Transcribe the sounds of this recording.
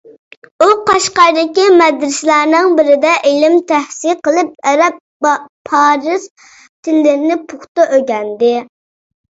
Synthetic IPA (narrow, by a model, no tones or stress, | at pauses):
uqʰɑʃqɑɾd̪ɪkʲimɛd̪ɾɪslæɾnɨŋbɪɾɪd̪ɛʔelɪmt̪ʰæhsiqəlˠɨp̚ɛɾɛp̚ | pʰɑːɾɨz | t̪ʰɪnlɪɾɪnɪpʰʊχt̪ɑʔøɡʲɛnd̪ɪ